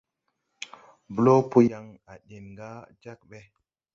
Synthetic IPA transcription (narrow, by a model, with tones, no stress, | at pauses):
blo˦pu˦ja˨ŋa˨ɗe˨nŋɡa˦d͡ʒa˦k̚ɓɛ˦